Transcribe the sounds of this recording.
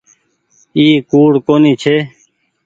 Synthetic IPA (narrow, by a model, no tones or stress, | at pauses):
iːkuːɽkoːnit͡ɕʰeː